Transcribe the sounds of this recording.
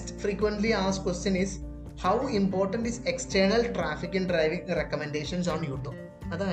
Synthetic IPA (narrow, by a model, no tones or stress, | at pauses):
ʈfɾiːkʋẽɳʈliaːskwesʈjɐ̃niz | hawĩmpɔːɾʈə̃ɳʈizeksʈəːɾnɐlʈɾaːfikɪ̃ŋɖɾaɪʋĩŋɾekɐmẽɳɖeːʃɐ̃ns̬ɔ̃ːnjuːʈ̪u | ɐd̪a